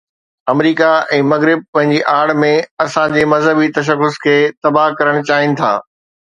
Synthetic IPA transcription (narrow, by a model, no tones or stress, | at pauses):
ɐmɾiːkaɛ̃ːmɐɣɾɪb̚pɐ̃ɦɪ̃ɲd͡ʑiʔaːɽ̤mẽɐsãd͡ʑeːmɐzɦəbit̪ɐʃ̬əxʊskʰeːt̪ɐbakɐɾəɽ̃t͡ɕaːɦɪnɪ̆t̪ʰa̰ː